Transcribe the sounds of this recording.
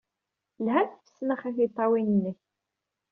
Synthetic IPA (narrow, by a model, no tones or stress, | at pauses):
lɦæθfə̥sːnəχæθit̪ˤːɑwinənːəç